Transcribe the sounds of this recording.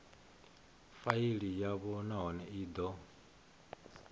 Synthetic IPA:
faiɺijaβɔnaɦɔnɛʔiːd̪ɔ

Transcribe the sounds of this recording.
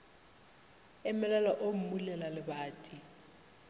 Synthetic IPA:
ɪmɛlɛlaʔom̩mulɛlalɪbaːtʼi

